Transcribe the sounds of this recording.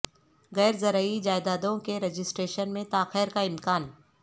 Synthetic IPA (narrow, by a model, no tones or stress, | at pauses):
ɣɛːɾzɐɾəid͡ʒaːɪd̪aːd̪õkeɾed͡ʒɪsʈɾeːʃənmẽt̪aːxeːɾkaɪmkaːn